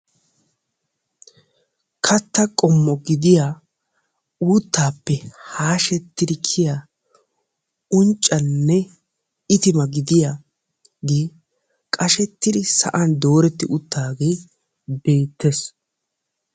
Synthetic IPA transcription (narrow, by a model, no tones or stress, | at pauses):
kʰɐt̪ːɐkʼɔmːɔɡɪd̪ɪjaː | uːt̪ːaːpːɛhaːʃɛt̪ːɪd̪ɪkʰɪja | ʊnt͡ʃʼːɐnːɛ | ɪt̪ɪmɐɡɪd̪ɪja | ɡeː | kʼɐʃɛt̪ːɪd̪ɪsɐ̰ʔɐnd̪o̞ːɾɛt̪ːɪʔʊt̪ːaːɡeː | be̞ːt̪ːes